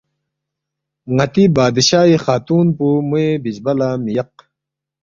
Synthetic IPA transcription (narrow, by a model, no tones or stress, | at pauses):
ŋɐt̪ibaːd̪iɕaːixaːt̪uːnpumuebid͡ʑbɐlamijɐq̚